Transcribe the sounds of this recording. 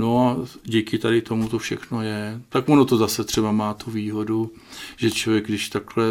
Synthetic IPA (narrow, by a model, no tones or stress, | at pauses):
no̞aɟiːkɪt̪adɪt̪o̞mut̪ofʃɛxno̞jɛt̪akonot̪ozasɛt̪r̝̥ɛbamaːt̪uviːɦo̞du | ʒ̥ɛt͡ʃlovjɛɡdɪʃt̪aklɛ